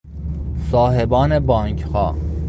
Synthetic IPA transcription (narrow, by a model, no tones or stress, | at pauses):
sɑːɦebɑːnebɑːŋkxɑ̰ː